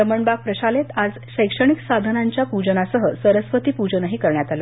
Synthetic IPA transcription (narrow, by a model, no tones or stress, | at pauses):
ɾəməɳbak̚pɾəɕalet̪ad͡z | ɕəjkʂəɳ̃iksad̪ʱənaɲt͡ɕjapud͡ʑənasəɦəsəɾəsʋət̪iːpud͡ʑənəɦiːkəɾɳjat̪alo